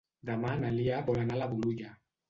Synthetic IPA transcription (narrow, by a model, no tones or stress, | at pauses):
ðamanaliabɔlanalabuluɟa